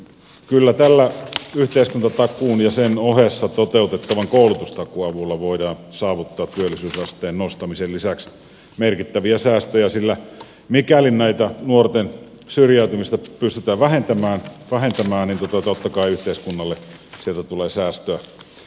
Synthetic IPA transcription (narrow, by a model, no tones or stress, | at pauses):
kylːæt̪ælːæyht̪eˑiskunt̪ɑt̪ɑkˑuːnjɑsenohesːɑt̪ot̪eˑut̪et̪ːɑʋɑŋkoˑulut̪ust̪ɑkuɑʋulːɑʋoidɑːnsɑːʋut̪ːɑːt̪t̪yølːˑisyːsɑst̪eːnnost̪ɑmisellisæks | merkit̪ːæʋiæsæːst̪øjæsilːæ | mikælinnæit̪ænuort̪en | syrjæyt̪ymist̪ɑpyst̪yt̪æːʋæhent̪æmæːnʋæhent̪æmæːnnint̪ot̪ɑt̪ot̪ːɑkɑiyht̪eiskunːɑlːe | sielt̪æt̪uleːsæːst̪øæ